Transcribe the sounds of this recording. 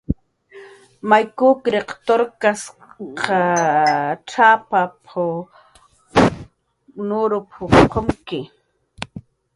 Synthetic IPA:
majkʊkɾeqt̪oɾkasqʰɑ | ʈ͡ʂapapʰʊ | nʊɾʊpʰʊqoŋkɪ

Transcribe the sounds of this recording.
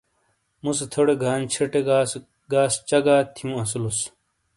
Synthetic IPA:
muset̪ʰoɽeɡʱaːnt͡ɕʰeʈeɡaːs | ɡaːst͡ɕɐɡaːt̪ʰiũɐs̬ulos

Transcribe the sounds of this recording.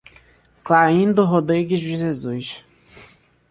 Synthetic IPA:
klaĩnd̪ʊɦod̪ɾiɡɪzɪʒezujʃ

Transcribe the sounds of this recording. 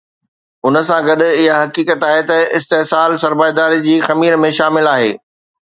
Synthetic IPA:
ʊnə̆sãɡɐɗɪɦaɦɐkiːkət̪aːɦet̪ɐɪst̪eɦsaːlsɐɾbaːjd̪aːɾid͡ʑiːxɐmiːɾmẽʃaːmɪlaːɦeː

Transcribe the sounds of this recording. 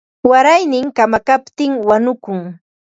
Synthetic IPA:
waɾajnɪŋkamakapt̪ɪŋwanʊkʊŋ

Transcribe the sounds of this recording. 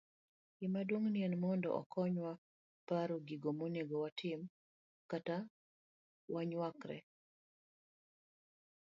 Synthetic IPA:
ɡɪmadwoŋniɛnmɔndɔ̰ʔɔ̰kʰɔɲwa | paɾoɡɪɡomoneɡɔwatʰɪm | kata | waɲwakɾɛ̰

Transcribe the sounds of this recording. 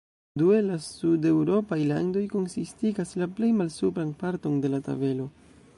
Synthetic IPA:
due̞lasude̞wɾo̞pajla̰ndo̞jko̞nsistiɡaslaple̞jmalsupɾanpaɾto̞nde̞lata̰be̞lo̞

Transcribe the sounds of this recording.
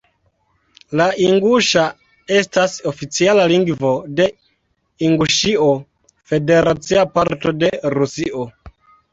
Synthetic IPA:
laʔiŋɡuʃa | e̞stasofit͡sialaliŋɡvo̞de̞ | iŋɡuʃio | fe̞de̞ɾat͡siapaɾto̞de̞ɾusiʔo

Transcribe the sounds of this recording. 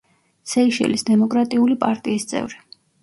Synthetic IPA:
sɛiʃɛ̰lisd̪ɛmɔkʼɾat̪ʼiulipʼaɾt̪ʼiːst̪sʼɛ̰vɾi

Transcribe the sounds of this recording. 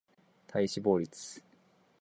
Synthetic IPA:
t̪ʰaiɕibo̞ːɾʲit͡sɨ̥

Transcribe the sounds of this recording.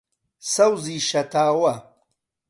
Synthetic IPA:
sɐwziʃɐt̪aːwɐ

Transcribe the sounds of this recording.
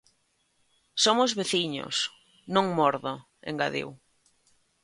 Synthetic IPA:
somʊzβeθiɲo̰s | nõŋmɔɾðo | ḛŋɡaðḭw

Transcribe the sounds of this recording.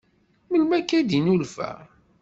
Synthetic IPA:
məlmækːæd̪inulfæ̰

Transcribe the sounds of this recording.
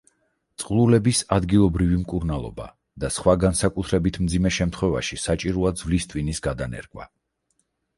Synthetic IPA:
t̪sʼqʼlˠulɛbisad̪ɡilˠɔbɾivimkʼuɾnalˠɔ̰ba̰ | d̪̥asχwaɡansakʼut̪ʰɾɛbit̪ʰmd̪zimɛʃɛmt̪ʰχwɛva̰ʃisat͡ʃʼiɾɔad̪zvlist̪ʼvwinisɡad̪anɛ̰ɾɡʼwa̰

